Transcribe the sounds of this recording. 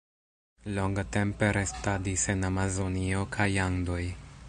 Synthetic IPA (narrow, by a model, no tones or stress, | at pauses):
lo̞ŋɡate̞mpe̞ɾe̞stadise̞namazo̞nio̞kʰajaŋdo̞j